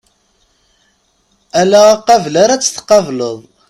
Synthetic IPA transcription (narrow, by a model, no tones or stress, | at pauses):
ælæqːɑvlaɾæt͡sːə̥θə̥qɑvləðˤ